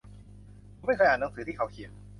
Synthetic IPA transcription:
m˥˩kʰxjʔaː˨˩na˨˦ŋsɯː˩˦t̪iː˥˩kʰwkʰi˨˩ən

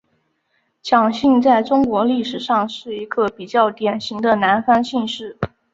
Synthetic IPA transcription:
t͡ɕʰjɑ˨˩ŋɕi˥˧ŋt͡sa˥˩ɪʈ͡ʂʊ˥ŋkwɔ˧˥li˥˩ʂɻ̩˨˩ʂɑ˥˧ŋʂɻ̩˥˩i˧˥ɡə˥˧pi˨˩t͡ɕjɑ˥˩ʊt̪jɛ˨˩nɕi˧˥ŋd̪ə˧na˧˥nfa˥nɕi˥˧nʂɻ̩˥˩

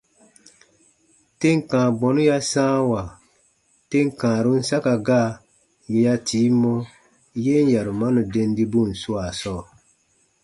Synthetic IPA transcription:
te˦ŋ˨kãː˨ɡ͡bɔ˨nu˦ja˦sãː˦wa˨ | te˦ŋ˨kãː˨ɾu˦n̩˦sa˦ka˨ɡaː˦˨ | je˦ja˦tʰiː˨˦mːɔ˦ | je˦n˦ja˨ɾu˨ma˦nu˨de˦n˦di˦bu˦˨n̩˨su˦a˨sɔː˦˨

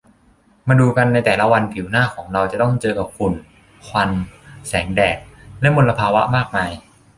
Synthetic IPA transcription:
maː˧duː˧ka˧nːa˧jt̪ɛː˨˩la˦˥wa˧npʰi˨˩˦wnaː˥˩kʰɔː˩˦ŋɾa˧wt͡ɕa˨˩t̪ɔ˥˩ŋt͡ɕɤː˧ka˨˩p̚kʰu˧n | kʰwa˧nsɛː˩˦ŋdɛː˨˩k̚lɛ˦˥mo˧nla˧pʰaː˧wa˦˥maː˥˩k̚maː˧j

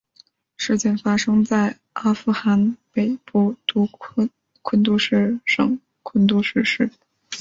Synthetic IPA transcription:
ʂɻ̩˥˧t͡ɕjɛ˥˩nfa˥ʂɤ˥ŋt͡sa˥˩ɪ | ʔa˥fu˥xa˧˥npe˨˩ɪpɔ˥˩t̪u˥ | kʰwə˥nt̪u˥ʂɻ̩˥˩ʂɤ̰˨˩ŋ | kʰwə˥nt̪u˥ʂɻ̩˥˧ʂɻ̩˥˩

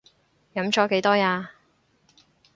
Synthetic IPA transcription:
jɐ˨˥mt͡ʃɔː˨˥ke˨˥jt̪ɔː˥jaː˧

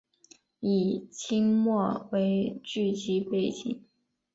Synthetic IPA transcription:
i˨˩t͡ɕʰi˥ŋmwɔ˥˩we˧˥ɪt͡ɕy˥˩t͡ɕi˧˥pe˥˩ɪt͡ɕḭ˨˩˦ŋ

